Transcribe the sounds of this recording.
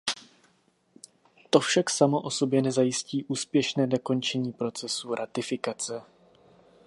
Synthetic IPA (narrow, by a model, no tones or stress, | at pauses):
t̪o̞fʃaksamo̞ʔoso̞bjɛnɛzajɪsciːʔuːspjɛʃnɛːdo̞ko̞nt͡ʃɛɲiːpɾo̞t͡sɛsuɾʔat̪ɪfɪkat͡sɛ